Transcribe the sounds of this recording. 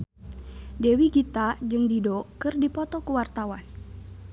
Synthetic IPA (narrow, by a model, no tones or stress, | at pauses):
dewiɡit̪ad͡ʒɨŋdidɔkɨrdipɔt̪ɔkuwart̪awan